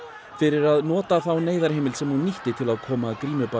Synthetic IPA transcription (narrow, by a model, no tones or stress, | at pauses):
fɪɾɪɾaðnɔːt̪aθawneːjðaɾ̥ɦeːjmɪlsɛmnunːiht̪ɪt̪ʰɪlaðkʰɔːmakɾiːnʏpa